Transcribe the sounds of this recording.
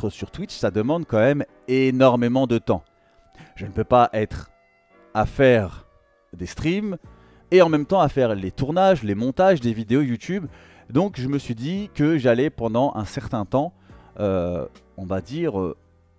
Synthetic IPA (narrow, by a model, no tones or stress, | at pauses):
χəsyʁt̪wit̪ʃsad̪əmɑ̃d̪kɑ̃mɛm | enɔʁmemɑ̃d̪ət̪ɑ̰̃ | ʒ̥ənəpøpaʔɛt̪χ | afɛʁ | d̪est̪χim | eɑ̃mɛmt̪ɑ̃afɛʁlet̪uʁnaʒlemɔ̃t̪aʒd̪evid̪eojut̪yb | d̪ɔ̃kʒəməsɥid̪ikəʒalɛpɑ̃d̪ɑ̃ʔɛ̰̃sɛʁt̪ɛ̃t̪ɑ̃ | ø | ɔ̃vad̪iʁø̰